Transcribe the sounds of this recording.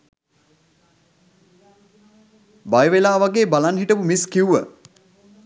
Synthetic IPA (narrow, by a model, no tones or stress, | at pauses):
bajʋelaːʋaɡeːbalanɦiʈəpumiskiwʋə